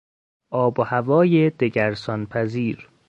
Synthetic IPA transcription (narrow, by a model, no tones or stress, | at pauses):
ʔɒːbohævɒːjed̪̥eɟæɾsɒnpʰæziːɾ